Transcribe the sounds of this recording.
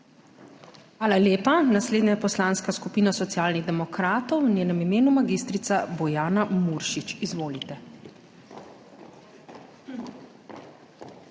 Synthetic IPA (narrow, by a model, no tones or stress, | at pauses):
xʋaːlaleːpanasleːd̪najɛpɔslaːnskaskupiːnasɔt̪sijaːlniɣd̪ɛmɔkɾaːt̪ɔwnʲjeːnɛmimeːnumaɡiːst̪ɾit̪sabɔjaːnamuɾʃit͡ʃizʋoːlit̪ɛ